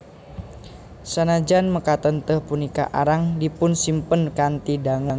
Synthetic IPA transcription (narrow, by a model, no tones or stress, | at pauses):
sanad͡ʒanməkat̪ənt̪əhpunika̰ʔaɾaŋdipʊnsimpənkant̪idaŋa